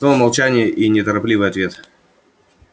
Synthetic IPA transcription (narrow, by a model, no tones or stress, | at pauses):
nomɐlˠt͡ɕænʲɪjəʔinʲɪt̪əɾɐplʲivɨjɐt̪vʲe̞t̪